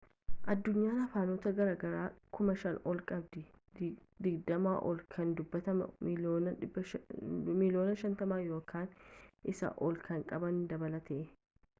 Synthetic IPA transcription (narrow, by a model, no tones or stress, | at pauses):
ʔɐd̪ːʊɲːaːnɐfaːnoːt̪ɐɡɐɾaːɡɐɾaːkʊmɐʃɐnɔlkʼɐbd̪ɪ | d̪ɪɡd̪ɐmaːʔɔlkʰɐnd̪ʊbːɐt̪ɐmɐ̰mːnɐb | mɪlo̞ːnɐʃɐnt̪ɐmaːjo̞ːkaːnʔɪsɐ̰ʔɔlkʰɐŋkʼɐbɐnd̪ɐbɐlɐt̪e